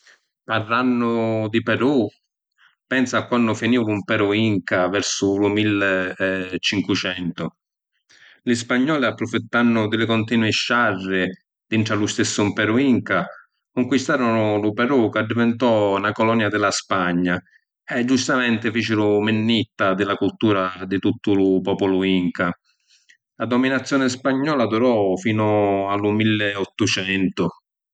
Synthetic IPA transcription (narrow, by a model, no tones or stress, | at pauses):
parːanːʊd̪ipɛɾu | pɛnsakːwanːʊfiniːvumpɛɾuiŋkavɛɾsʊlʊmilː | t͡ʃiŋkwut͡ʃɛnt̪ʊ | lɪspaɲːɔːliapːɾʊfit̪ːanːʊd̪ɪlɪkɔnt̪iːnwiʃːarːɪ | d̪̥iɳʈɾalust̪esːʊumpɛɾuiŋka | kuŋkwist̪aːɾʊnʊlʊpɛɾukad̪ːivɛnt̪ɔnakɔlɔnjad̪ɪlaspaɲːa | ɛd͡ʒːust̪amɛnt̪ɪfiːt͡ʃɪlʊmɪnːit̪ːad̪ɪlakult̪uːɾad̪ɪt̪ut̪ːʊlʊpɔːpɔlʊiŋka | lad̪ɔminat̪sːjɔːnɪspaɲːɔːlad̪uɾɔfiːnʊalːʊmilːɪɔt̪ːʊt͡ʃɛnt̪ʊ